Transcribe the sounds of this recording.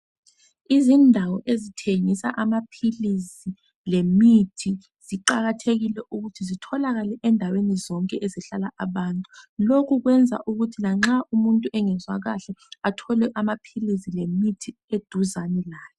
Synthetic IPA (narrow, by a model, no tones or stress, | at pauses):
izindʱawɔʔezitʰeŋisa̰ʔamapʰilisi | lemitʰi | z̥iǃaɣatʰeɣilɛʔuɣutʰizitʰɔlaɣalɛʔɛndʱawenizɔŋkʼɛʔɛziɬalaʔaβantʼulokʰuɣwɛnd͡zʱa̰ʔuɣutʰilaŋ͡ǁaʔumuntʼuʔɛŋɛzwa̰ɣaɬɛatʰɔlɛʔamapʰilisilemitʰi | ed̥ʱuzanɛlaːlɛ